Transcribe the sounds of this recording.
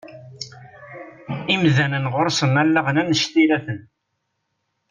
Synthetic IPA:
imðænənʁʊɾsənælːəʁənænəʃt̪iɾæθən

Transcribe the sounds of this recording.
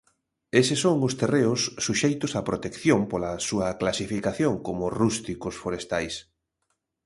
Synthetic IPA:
esɪsoŋʊst̪ereʊsːuʃejt̪ʊsapɾot̪ekθjoŋpolɐsuɐklasifikaθjoŋkomʊrust̪ikʊsfoɾest̪ajs

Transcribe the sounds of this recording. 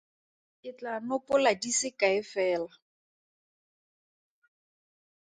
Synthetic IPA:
ɪt͡ɬanʊpʼʊladisɪkaɪfɛːla

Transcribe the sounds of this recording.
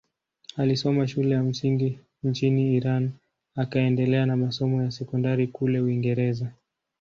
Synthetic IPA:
alisɔmaʃulɛjam̩siŋɡi | n̩t͡ʃiniːɾan | akaɛndɛlɛanamasɔmɔjasɛkɔndaɾikulɛuiŋɡɛɾɛza

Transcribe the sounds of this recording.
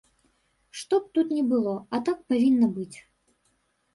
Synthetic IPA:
ʂt̪ɔp̚t̪ut̪nʲɛbɨlˠɔɐt̪ak̚pavʲinːɐbɨt͡sʲ

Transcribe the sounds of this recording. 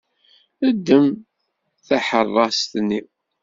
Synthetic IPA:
əd̪ːəm | θæħərˤːɑst̪nːi

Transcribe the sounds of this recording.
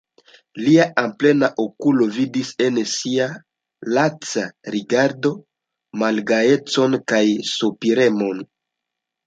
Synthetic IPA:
liaʔample̞naʔokulo̞vidise̞nsia | lat͡saɾiɡaɾdo̞ | malɡae̞t͡so̞nkajsopiɾe̞mo̞n

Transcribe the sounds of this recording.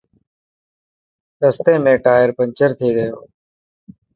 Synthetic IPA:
ɾəst̪eːmẽːʈaːjəɾpəɲt͡ʃəɾt̪ʰeːɡəjoː

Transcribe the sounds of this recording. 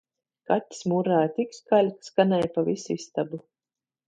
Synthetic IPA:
kat̪ʲːi̥smuɾaːjt̪ikskalʲkskanɛjpavʲisist̪abu

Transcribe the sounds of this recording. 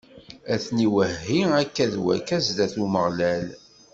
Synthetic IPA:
æθniwəhːiækːæðwæ̰kæzd̪æθuməʁlæl

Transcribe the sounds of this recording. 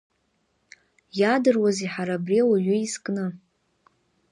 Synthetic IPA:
jadɨrwaziħaɾabriwaɥʏiskʼnɨ

